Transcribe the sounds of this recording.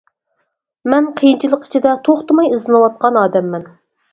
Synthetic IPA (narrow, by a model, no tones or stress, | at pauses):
mɛnqʰəjint͡ʃʰilˠəqi̥t͡ʃʰid̪ɛt̪ʰoχt̪ɨmɑjɨzlɨnɨwɑt̪̚qɑnɑːd̪ɛmːɛn